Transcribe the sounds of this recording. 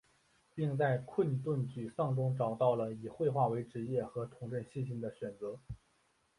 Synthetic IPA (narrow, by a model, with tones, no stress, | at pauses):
pi˥˧ŋt͡sa˥˧ɪkʰwə˥˧nt̪wə˥˩nt͡ɕy˨˩ʂɑ˥˩ŋʈ͡ʂʊ˥ŋʈ͡ʂɑ˨˩ʊt̪ɑ˥˩ʊlə˩i˨˩xwe˥˧ɪxwa˥˩we˧˥ɪʈ͡ʂɻ̩˧˥jɛ˥˩xɤ˧˥t̪ʰʊ˧˥ŋʈ͡ʂə˥˧nɕi˥˩nɕi˥˩ŋd̪ə˩ɕɥɛ˨˩nt͡sɤ˧˥